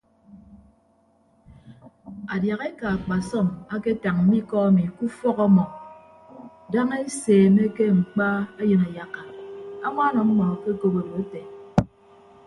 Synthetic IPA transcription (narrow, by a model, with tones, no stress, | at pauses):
a˨dja˨ɣe˦ka˨a˨k͡pa˨sɔ˦˨ma˦ke˦ta˨ŋm̩˨˦mi˦kɔ˦a˦mi˨ku˦fɔ˦ɣɔ˦mɔ˨ | da˦ŋe˦e˦seː˨me˦ke˦ŋ͡m̩˨k͡pa˦a˦jɨ˨na˨ja˦ka˨a˦ŋʷa˦nɔ˨m̩˦mɔ˨ke˦ko˦be˨bo˨e˦te˨